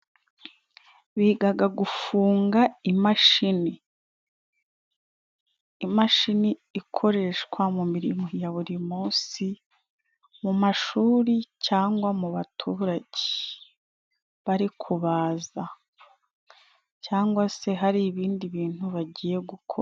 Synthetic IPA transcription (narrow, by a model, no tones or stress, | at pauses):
βiːɡaɡaɡufuːŋɡaimaʃini | maʃiniːkʰo̞ɾe̞ʃkwamumiɾimojaβuɾimuːsi | mumaʃuːɾicaːŋɡwamuβatʰuːɾaɟe | βaɾikʰuβaːza | caːŋɡwase̞ɦaɾiβiːndiβiːn̥huβaɟiːje̞ɡukʰoɾ